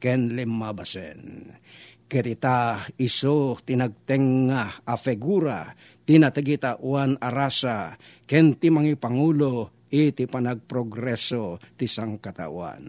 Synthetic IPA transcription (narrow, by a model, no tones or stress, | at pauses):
kɛnlimːabasɛ̰n | kɛt̪it̪aisot̪inaɡ̚t̪ɛŋːahafɛɡuɾa | t̪inat̪ɛɡit̪aʔwanaɾasakɛnt̪imaŋipaŋulo | it̪ipanaɡ̚pɾoɡɾɛsot̪isaŋkat̪a̰ʔwa̰n